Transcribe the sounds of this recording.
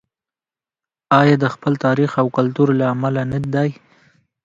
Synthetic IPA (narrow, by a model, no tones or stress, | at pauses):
ɑjɑd̪əxpəlt̪ɑɾixawkʊlt̪uɾlaːmalanad̪aj